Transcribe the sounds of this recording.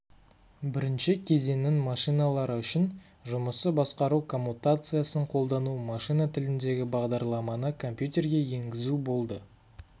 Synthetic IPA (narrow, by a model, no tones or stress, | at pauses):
bɪɾɪnʃɪkʲʰe̞ze̞nɪnmɑʃijnɑlˠɑɾəʏʃɪn | ʒʊməsəbɑsqɑɾukʰo̞mːut̪at̪sɨjasəɴqʰo̞lˠd̪ɑnumɑʃijnat̪ʰɪlɪnd̪e̞ɡʲɪbɑʁd̪ɑɾlˠɑmɑnəkʰo̞mpjut̪ʲe̞rɡʲe̞je̞ŋɡʲɪzubo̞lˠd̪ə